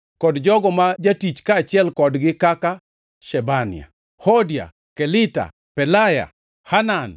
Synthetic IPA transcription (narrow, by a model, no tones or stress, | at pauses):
kɔdd͡ʒɔɡɔmad͡ʒatit͡ʃkaːt͡ʃɪɛlkɔdɡɪkaka | ʃɛbanɪ̰a̰ | hodja̰ | kɛlɪta̰ | pɛlaja̰ | hanan